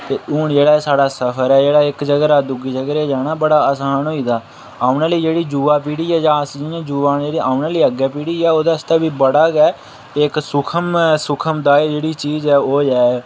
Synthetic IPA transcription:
t̪eːʔuːɳd͡ʒeːɽaːsaːɽaːsəpʰəɾɛːd͡ʒeːɽaːɪkd͡ʒəɡəɾaːd̪ʊɡiːd͡ʒəɡɾeːd͡ʒɛːnaːbəɽaːəsaːnɦoːiːd̪aː | aːʊnaːləiːd͡ʒeːɽiːd͡ʒuːʋaːp̬iːɽiːɛːd͡ʒãːsd͡ʒɪãːd͡ʒuːʋaːnd͡ʒeːɽiːaːʊnaːləiːəɡɛːpiːɽiːɛːoːd̪aːst̪aːbiːbəɽaːɡɛː | ɪksʊkʰəmsʊkʰəmd̪aːeːd͡ʒeːɽiːt͡ʃiːzɛːoːd͡ʒɛː

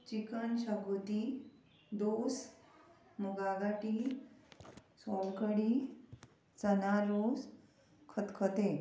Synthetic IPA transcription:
t͡ɕikənɕaɡut̪i | d̪os | muɡaɡaʈi | sɔlkəɽi | t͡sənaɾos | kʰət̪kʰət̪e

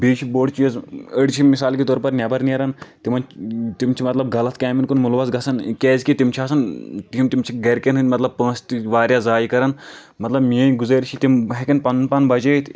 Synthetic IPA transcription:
biːt͡ʃʰiboːɖt͡ʃijɐzəɽt͡ʃʰimisaːlkit̪ɔːɾpɐɾnʲɐbɐɾniɐɾɐnt̪imɐnt̪imt͡ʃʰimɐt̪lɐb̚ɡɐlɐt̪̚ʰkʲaːminkunmulʋɐzɡɐsɐnkʲeːzʲkit̪imt͡ʃʰiɐːsɐnt̪iimt̪imt͡ʃʰiɡɐɾkʲenɦɨt̪mɐt̪lɐb̚pə̃ːst̪iʋaːɾjazaːjikɐɾɐn | mɐt̪lɐbmiejɡuzɐɾʲt͡ʃʰit̪imɦekʲɐnpɐnpɐnbɐd͡ʒɐit̪ʰ

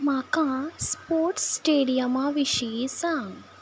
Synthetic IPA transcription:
makãspoɾʈsʈeɽijəmaʋiɕisãŋɡ

